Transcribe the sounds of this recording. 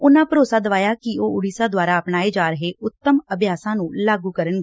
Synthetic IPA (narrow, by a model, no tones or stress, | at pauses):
ʊnãːpɾoːsaːd̪əʋaːjaːkɪoːʊɽiːsãːd̪waːɾaːəpnaːeːd͡ʒaːɾəɦeːʔʊt̪ːəməbjaːsãːnũːlaːɡuːkəɾənɡ